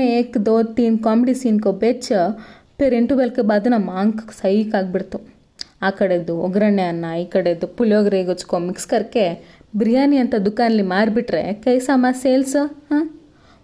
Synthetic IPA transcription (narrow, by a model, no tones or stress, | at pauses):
eeːkd̪oːt̪iːnkaːmeɖisiːnkobet͡ʃ | peɾeɳʈubɐlkebaːd̪ɐnɐmaːŋksɐjʋikaːɡ̚biɽt̪u | aːkɐɽed̪uɔɡɾɐɳːeɐnːɐiːkɐɽed̪ːupuljoːɡɐɾeɡot͡ʃkomikskɐɾke | bɾijaːniɐnt̪ɐd̪ukaːnɐlːimaːɾbiʈɾḛkɐjsɐmaseːlsɐaː